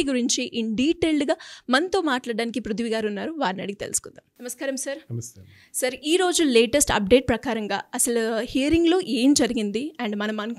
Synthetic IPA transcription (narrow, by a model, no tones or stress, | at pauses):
iɡuɾiɲt͡ʃiʔiɳɖiːʈeːlɖɡaːmɐnt̪o̞ːmaːʈlaːɽɖaːnikipɾud̪ʱiʋiɡaːɾunːaːɾuʋaːɾnɐ̰ɽikit̪e̞lusu̥kund̪aːmnɐmɐskaːɾɐmsɐɾ | sɐɾiːɾo̞ːd͡ʒuleːʈɐsʈɐ̰p̚ɖe̞ːʈ̚pɾɐkaːɾɐŋɡaːɐsɐluhijɐɾiŋɡlo̞ːʔeːmd͡ʒɐɾiɡind̪iɐɳɖmɐnɐmɐn